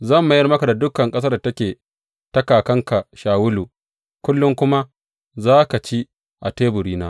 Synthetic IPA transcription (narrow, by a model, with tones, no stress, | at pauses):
zɐ˦˨mːʊ˨jɐ˦rmɐ˦ka˨da˨dʊ˦kɐ˨ŋkʼɐ˦s̬ɐ˦rda˨tɐ˦kʲeː˨ | tɐ˦kaː˨kɐ˦ŋka˨ʃaː˨wʊ˦luː˨ | kʷʊ˦lːʊ˦ŋkʷʊ˦ma˦ | zaː˦ka˨t͡ʃi˦ | ʔa˨teː˦bʊ˨ɽiː˦na̰ː˦